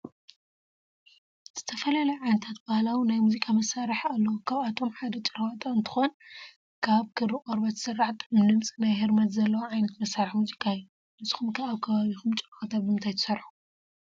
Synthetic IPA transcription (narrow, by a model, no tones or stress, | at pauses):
ɨz̥ɨt̪ʰɐfɐlɐlɐʕajnɐt̪ʰat̪̚bahlawinajmuzikʼamɐsaɾħalːɐwkʰaβat̪ʰo̞mħad̪ɐt͡ʃʼɨɾt̪ʼoɨnt̪ʰɨ̥xon | kʰaβkʰɨɾɨkʼoɾbat̪ʰɨ̥sɨrːaħt̪ʰmɨlɨmt͡sʼinajheɾmɐt̪zɐlːɐwoʕajnɐt̪mɐsaɾħmuzikʼaju | nɨzɨxumkʰɐaβkʰɐβaβixumt͡ʃʼxɐt̪ʰabɨmɨnt̪ʰajt̪ʰɨ̥sɐɾħu̥